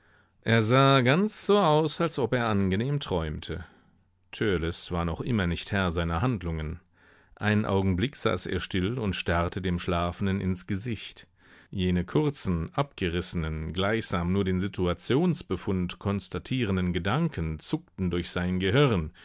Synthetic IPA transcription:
ʔeːɐzaːɡant͡sz̥oːʔaʊsalsʔɔpeːɐʔanɡəneːmtʁ̥ɔʏmtʰə | tʰœɐlɛsv̥aːɐnɔχʔɪ̰mɐnɪçthɛɐzaɪnɐɦandlʊŋən | ʔa̰ɪnənʔa̰ʊɡŋ̩blɪkz̥a̰ːsḛːɐʃtɪlʊntʃtaʁtʰədeːmʃlaːfn̩dənʔɪ̰nsɡ̥əzɪçt | jeːnəkʰʊʁt͡sn̩ʔap̚ɡ̥əʁɪsənənɡlaɪçz̥aːmnuːɐdeːnzitʰuat͡sjoːnsb̥əfʊntkʰɔnstatʰiːʁ̞əndənɡədaŋkʰənt͡sʊk̚tn̩dʊɐçz̥aɪnənɡəɦɪʁən

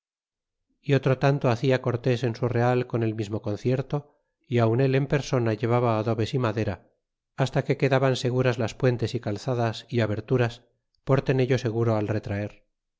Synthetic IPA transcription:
io̞t̪ɾo̞t̪ant̪o̞aθiako̞ɾt̪e̞se̞nsure̞alko̞ne̞lmizmo̞ko̞n̟θje̞ɾt̪o | iawne̞le̞mpe̞ɾso̞naʝe̞β̞aβaːðo̞βe̞simaðe̞ɾaː | st̪ake̞ke̞ðaβanse̞ɣ̞uɾazlaspwe̞nt̪e̞sikalθaðasiaβe̞ɾt̪uɾas | po̞ɾt̪e̞ne̞ʎo̞se̞ɣuɾo̞alre̞t̪ɾae̞ɾ

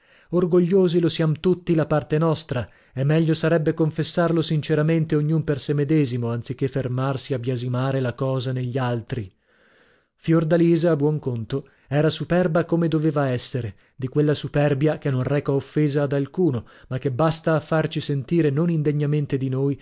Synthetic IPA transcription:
orɡoʎːoːzilosjamot̪ut̪ːid̪apart̪enɔst̪ɾa | ɛmːɛʎːosaɾɛbːekoɱfesːarlosint͡ʃeɾament̪eoɲːumpersemed̪ɛːzimoant̪sik̟ːefːermarsiabjazimaːɾelakɔːzaneʎːialt̪ɾi | fjord̪aliːzaːbwɔŋkont̪o | ɛːɾasupɛrbakomed̪oveːvaɛsːeɾe | d̪ikwelːasupɛrbjakenːonrɛːkaofːeːzaːd̪alkuːnomakːebːast̪aːfːart͡ʃisent̪iːɾenonind̪eɲːament̪ed̪inoːj

